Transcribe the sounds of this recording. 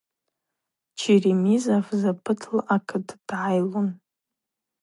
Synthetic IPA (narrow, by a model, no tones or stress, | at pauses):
t͡ʃʰirimizafzapʰɨtʰlaʔakʰɨdʰd̥ʕajlun